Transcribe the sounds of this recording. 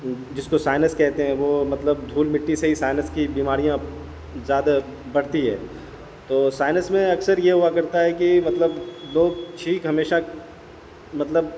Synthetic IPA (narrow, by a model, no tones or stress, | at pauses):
d͡ʒɪskosaːɪnəskɛɦt̪eɦɛ̃ʋomɐt̪ləbd̪ʱuːlmɪʈːiseɦisaːɪnəskibiːmaːɾijã | zjaːd̪a | bɐɽ̤t̪iɦɛ̰ː | t̪oːsaːɪnəsmẽɐksəɾjeɦʊakɐɾt̪aɦɛkimɐt̪ləbloːɡ̚ʈʰiːkɦɐmeːʃa | mɐt̪ləb